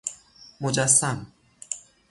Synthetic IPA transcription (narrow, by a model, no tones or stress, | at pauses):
mod͡ʒasːam